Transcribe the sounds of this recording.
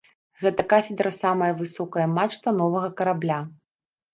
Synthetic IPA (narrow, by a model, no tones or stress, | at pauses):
ɣɛt̪ɐkafʲɪd̪ɾɐsamɐjɐvɨsɔkɐjɐmat͡ʂt̪vɐnɔvɐɣɐkɐɾablʲa